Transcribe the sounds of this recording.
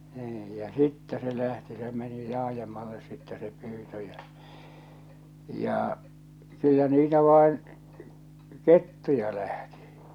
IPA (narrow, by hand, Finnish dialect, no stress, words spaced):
niːj jɑ sitːɛ se læhti se meni lɑːjemːɑlːes sitːɛ se pyːtø jæ jɑˑ kylːæ niːtæ ʋɑˑen ketːujɑ læhti̥